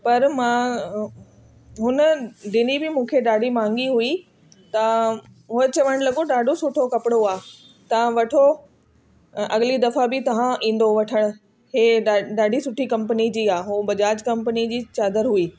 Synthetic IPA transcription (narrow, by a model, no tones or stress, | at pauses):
pɐɾmãː | ɦʊnəɖɪnibɪmũːkʰeɗaːɖʱimãːŋɡiɦui | t̪ɐ̃ | ɦʊɦet͡ɕɐʋəɽ̃lɐɡoɗaːɖʱosʊʈʰokɐpɪɽoaː | t̪ɐʋ̤ãʋɐʈʰo | ɐɠɪlid̪ɐfabɪt̪ɐʋ̤ãʔĩːn̆d̪oʋɐʈʰəɽ̃ʊ̆ | ɦeːɗaɗaːɖʱisʊʈʰikɐ̃mpənid͡ʑiːaːɦuːbɐd͡ʑaːd͡ʑkɐ̃mpənid͡ʑiːt͡ɕaːd̪əɾɦuiː